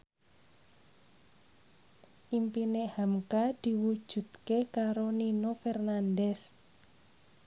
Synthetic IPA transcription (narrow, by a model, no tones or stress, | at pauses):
ʔimpinehamkad̪̥i̤wud̥ʒ̥ṳt̪kekaɾoninofɛrnandɛs